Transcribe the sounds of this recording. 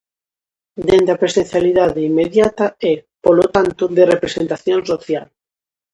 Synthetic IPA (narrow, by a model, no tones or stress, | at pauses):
d̪end̪apɾesẽn̟θjaliðaðeimːeðjat̪ɐɛpolot̪ant̪ʊðerepɾesent̪aθjõnsoθjal